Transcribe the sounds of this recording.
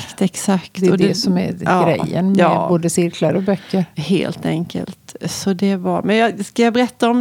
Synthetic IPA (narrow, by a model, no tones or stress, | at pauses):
t̪ɛksakt̪ɛɔd̪ɛsɔmæ̰ɾɑɡːɾɛ̰jːə̰nmɛboːd̪əsɪɾkʰlaɾɔbœkːəɾhḛːlt̪ɛŋkə̰lt̪sɔd̪ɛvaɾmɛnjɑskajɑbɛɾɛt̪ːaɔm